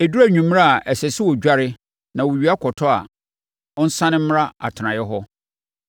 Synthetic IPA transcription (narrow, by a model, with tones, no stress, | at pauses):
e˨du˦æ˦ɲᶣũ˨m˦ɾa˦a˨ʔɛ˨sɛ˨sɪ˦wɔ˨d͡ʑᶣa˦ɾɪ˦ | nã˨wo˨ɥi˨˦a˦kʰɔ˨tʰɔ˦a̰˨ | ɔ̃˦n̩˦sã˦nɪ̃˦m̩˦m˦ɾa˦a̰˨tʰɪ˨ã˨jɛ˦ɦɔ˦